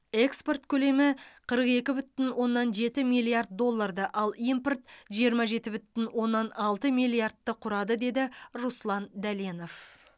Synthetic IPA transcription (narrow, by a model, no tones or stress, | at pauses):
e̞kspo̞rt̪kʲʰɵle̞mɪqʰəɾəqe̞kʲɪbʏt̪ːɪnwo̞nːɑnʒe̞t̪ɪmijlˠijard̪̚d̪o̞lˠːard̪ɑʔɑlˠimport̪ʒijəɾmɑʒe̞t̪ɪbʏt̪ːɪnwo̞nːɑnɑlˠt̪əmijlʲˠijard̪̚ːəqʰʊɾɑd̪əd̪e̞d̪ɪruslˠɑnd̪æleno̞f